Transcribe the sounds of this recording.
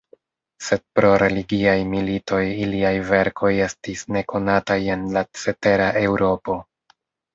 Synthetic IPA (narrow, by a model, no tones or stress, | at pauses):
se̞d̚pɾo̞ɾe̞liɡiajmilitʰo̞jiliajve̞ɾkʰo̞je̞stisne̞kʰo̞nataje̞nlat͡se̞te̞ɾaʔe̞wɾo̞po̞